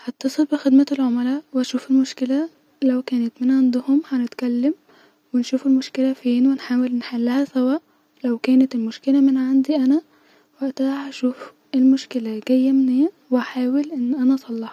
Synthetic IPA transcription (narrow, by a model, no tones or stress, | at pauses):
hɑt̪ːɑsˤelbexed̪mæelʕomælæʔweæʃuːfelmoʃkelæ | læwkæːnæt̪menʕand̪ʊhomhænet̪kælːæm | wenʃuːfelmoʃkelæfiːnwenħaːwelnħalːæhæsæwæːʔ | læwkæːnæt̪elmoʃkelæmenʕand̪iʔænæ | wæʔt̪æhæʃuːf | elmoʃkelæɡ̥æjːæmneː | weʔaħaːwelʔenːʔænæʔsˤɑlːɑħɑ